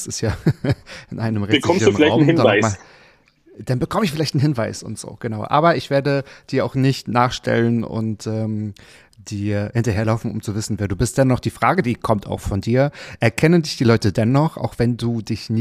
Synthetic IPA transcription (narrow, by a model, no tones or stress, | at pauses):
sɪstjaː | ʔɪnʔaɪnəmʁɛəktʰkɔmmsduːnʁɪlaɪaʊnmhɪnavaɪa | d̥anbəkʰɔməɪçfɪlaɪçtn̩hɪnvaɪsʊ̰ntz̥o̰ːɡ̥ənaʊʔa̰ːbɐʔɪçv̥eːɐdəd̥iːɐaʊxnɪçtnaːχʃtʰɛ̰lənʊ̰ntʔɛːm | d̥iːhɪntɐɦeːɐlaʊfn̩ʊ̰mt͡suvɪsn̩veːɐduːbɪst̚d̥ɛnːɔχd̥iːfʁ̥aːɡədiːkʰɔmta̰ʊxfɔndiːɐʔɛɐkʰɛnəndɪçd̥iːlɔʏtədɛnːɔχʔa̰ʊxv̥ɛnduːdɪçnɪ